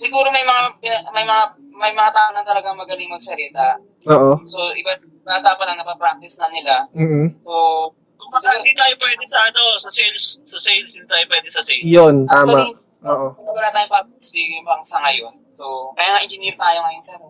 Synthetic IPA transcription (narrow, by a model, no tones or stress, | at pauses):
sɪɡuːɾomɐjmɐŋapɪnɐmɐjmɐŋa | mɐjmɐŋat̪aːʔonɐŋt̪ɐlɐɡaŋmɐɡɐlɪŋmɐɡsɐɾiːt̪ɐ | oːʔosoʔɪbɐt̪̚ | kɐɐd̪aːpɐt̪ɐŋnɐpɐpɾak̚t̪ɪsnɐnɪlam̩ːhm̩so | ɐsd̪it̪aːjopwɛːd̪ɛsɐʔɐnosɐsɛnssɐsɛnst̪aːjopwɛːd̪ɛsɐsɛjont̪aːma | ʔoːʔoɪɐbɐnɐŋt̪aːjopasbiːɡɪjmbɐɾɐŋsɐŋɐjonso̞kɐjaːŋɐʔɪnd͡ʒɪniɾt̪aːjoŋɐjonsɛɾ